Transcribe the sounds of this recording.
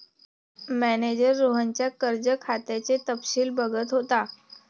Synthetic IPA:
mæned͡ʑəɾːoɦəɲt͡ɕjakəɾd͡ʑəkʰat̪at͡set̪əpɕiːlbəɡət̪ɦot̪a

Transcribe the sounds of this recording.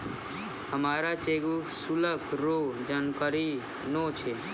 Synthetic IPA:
həmaːɾat͡ʃeɡusuləkɾod͡ʒankəɾi | not͡ʃʰe

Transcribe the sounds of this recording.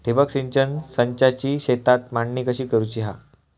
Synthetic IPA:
ʈʰibəksiɲt͡ɕənsəɲt͡ɕat͡ɕiːɕet̪at̪maɳːikəɕiːkəɾut͡ɕiɦa

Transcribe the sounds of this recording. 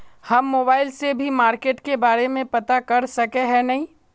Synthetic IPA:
hɐmːoːbaːɪlsebʱimaːɾkeːʈkebaːɾemẽpɐt̪akɐɾsɐkeɦɛnɐɦĩ

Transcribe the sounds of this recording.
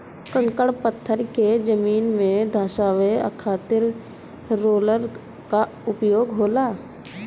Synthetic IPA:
kə̃ŋkəɽpət̪ʰːəɾked͡ʒəmiːnmẽd̪ʱaːʃaːʋeə̰kʰaːt̪ɪɾː | oːləɾ | ka | ʊpjoːɡɦoːlaː

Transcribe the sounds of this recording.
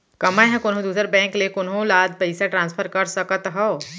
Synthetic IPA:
kɐmajɦɛ̃kʊnɦõd̪uːsəɾbɛ̃ːŋklekʊnɦõlaːd̪̚pɐɪsaʈɾãːnspʰəɾkəɾsəkət̪ɦɔ

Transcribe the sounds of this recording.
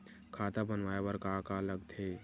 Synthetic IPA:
kʰat̪abənʋaebəɾkakaləɡt̪ʰe

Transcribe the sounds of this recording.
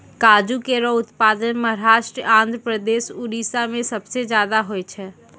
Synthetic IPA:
kaːd͡ʒukeɾɔʊt̪paːd̪ənməɦɾaːʃʈɾəãːnd̪ʱɾəpɾəd̪eːʃuɾiːsamẽsɐbsed͡ʒjaːd̪aɦoet͡ʃʰɛ

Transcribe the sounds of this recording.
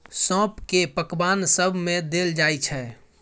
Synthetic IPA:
sɔ̃ːpkepəkbansəbʱmẽd̪eld͡ʒajt͡ʃʰɛ

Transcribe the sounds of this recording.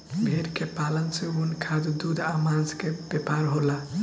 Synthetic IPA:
bʱeɾkepalənseunkʰad̪d̪ud̪amãd͡ʒkebepaɾɦola

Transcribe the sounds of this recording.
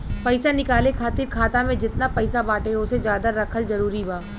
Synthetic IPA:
pɐɪsanɪkaːlekʰaːt̪ɪɾkʰaːt̪amẽd͡ʒɪt̪napɐɪsabaːʈeɦõsed͡ʒjaːd̪aɾɐkʰəlzɐɾuːɾibaː

